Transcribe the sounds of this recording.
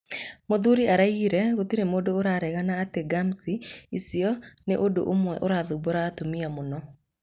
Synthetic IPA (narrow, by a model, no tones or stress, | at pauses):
moðuɾiaɾaiɾɛɣotiɾemodoːɾaɾɛɣanaːteɡamsiisiɔneʔodo̰ʔomwɛʔoɾaðuboɾatomiamonɔ